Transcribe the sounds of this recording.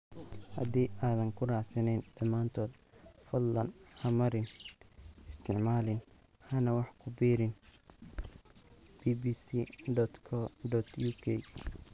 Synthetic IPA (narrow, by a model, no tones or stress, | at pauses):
hɐ̰d̪iːʔaːðɐŋkʰʊraːsɐnɛjnd̪̥ɐmaːnt̪ʰɔːd̪ | fɔd̪lɐnhɐmɐɾɪn | ɪst̪ʰɪʕmaːlɪn | hɐnɐwɑħkʰʊbiːɾɪn | b̥iːbiːsiɖɔt̪kʰɔɖɔt̪ʰjuːkʰɛj